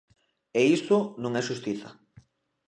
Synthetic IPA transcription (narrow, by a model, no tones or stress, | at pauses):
eist̪ʊnõŋɛʃust̪iθɐ̰